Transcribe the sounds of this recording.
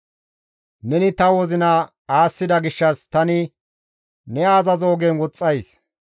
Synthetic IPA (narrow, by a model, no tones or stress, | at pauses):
nɛnɪt̪ɐwɔzɪnɐ | aːsːɪd̪ɐɡɪʃːɐst̪ɐnɪ | nɛaːzɐzo̞ːɡɛnwɔt͡sʼːɐjs